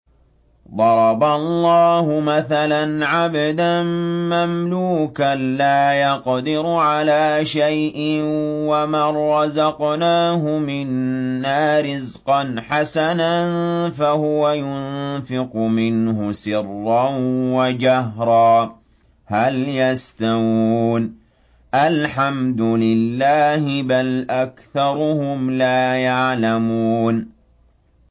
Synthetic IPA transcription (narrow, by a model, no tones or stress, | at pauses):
ðˤɑɾˤɑbalːɑːhʊmaθalanʕabad̪amamluːkanlaːjɑqd̪ɪɾʕalaːʃajʔɪnwamaɾˤːɑzɑqnaːɦʊmɪnːaːɾɪzqɑnħasananfahʊwajʊnnfɪqʊmɪnhʊsɪrːɑnwad͡ʒaɦɾˤɑː | haljast̪awuːn | ʔalħamd̪ʊlɪlːaːhɪbalʔakθɑɾˤʊhʊmlaːjaʕlamuːn